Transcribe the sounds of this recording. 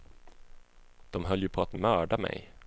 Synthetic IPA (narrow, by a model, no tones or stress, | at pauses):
d̪̥ɔmɦœlːjɵpʰɔat̪mœːɖamɛ̰j